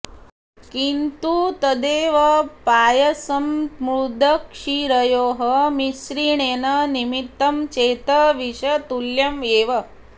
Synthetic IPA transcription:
kint̪ut̪ɐd̪eːʋɐpaːjɐsɐmmɾud̪ʱɐkʂiɾɐjoːɦɐmisɾiːɳeːnɐnimit̪ːɐmt͡ʃeːt̪ɐʋiʂɐt̪uljɐmeːʋɐ

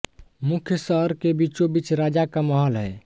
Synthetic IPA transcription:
mukʰjəsəɦəɾkebit͡ʃobit͡ʃɾad͡ʒakaməɦəlɦɛː

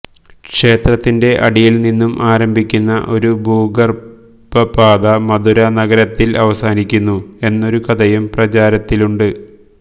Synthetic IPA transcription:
kʂe̞ːt̪rɐt̪ːinde̞ʔɐ̰ɽijilninːumʔaːɾɐmbʱikʲːunːɐʔo̞ɾubuːɡɐr | bɐpaːd̪ɐmɐd̪uɾɐnɐɣɐɾɐt̪ːilɐʋɐsaːnikʲːunːue̞nːo̞ɾukɐd̪ɐjumprɐt͡ɕaːɾɐt̪ːiluɳɖɨ

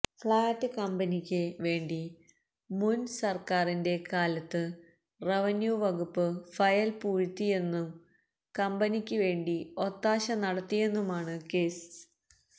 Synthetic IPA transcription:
fɭaːtːɨkɐmbɐnikʲːɨʋe̞ːɳɖi | munsɐrkaːrinde̞kaːlɐt̪ːɨ | reʋɐnjuːʋɐɡupːɨfɐjɐlpuːɻt̪ːije̞nːum | kɐmbɐnikʲːɨʋe̞ːɳɖio̞t̪ːaːɕɐnɐɽɐt̪ːije̞nːumaːɳɨke̞ːs

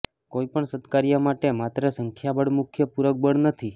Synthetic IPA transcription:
koipəɳsət̪kaɾijəmaʈemat̪ɾəsəŋkʰjabəɽmukʰjəpuɾək̚bəɽnət̪ʰi

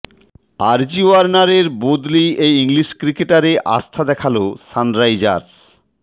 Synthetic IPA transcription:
aɾd͡ʑioaɾnaɾeɾbod̪liejiŋliʃkɾikeʈaɾeʔa̰st̪ʰad̪ɛkʰalosanɾajd͡ʑa̰ɾs

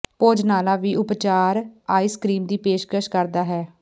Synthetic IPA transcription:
poːd͡ʒnaːlaːʋiːʔʊpt͡ʃaːɾaːiːskɾiːmd̪iːpeːʃkəʃkəɾd̪aːɦɛː

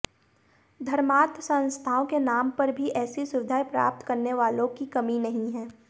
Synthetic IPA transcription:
d̪ʱɐɾmaːt̪sɐ̃nst̪ʰaːõkenaːmpɐɾbʱiʔɛːsisʊʋɪd̪ʱaːjpɾa̰ːp̚t̪kɐɾneʋaːlõkikɐminɐɦĩɦɛ̃ː

